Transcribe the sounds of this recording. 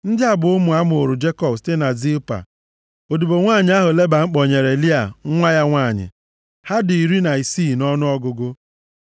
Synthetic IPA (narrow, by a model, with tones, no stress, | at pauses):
n̩˦dɪ˦a˦bʊ˨ʊ˦mu˨a˦m˦ʊ˨o˨ɾʊ˨d͡ʒe˦kɔ˨bste˦na˨zi˦pa̰˨ | o˨du˨bo˨ŋʷaː˦˨ɲɪ˨a˦ɦʊ˨le˦ba˨ŋ͡m̩˦k͡pɔ˨ɲe˨ɾe˨li˦a̰˨˦ŋʷa˦ja˦ŋʷaː˦˨ɲɪ̰˨ | ha˦dʊ˨i˨ɾi˦na˨i˨si˦˨nɔ˦nʊ˦ɔ˦ɡʊ˨ɡʊ˦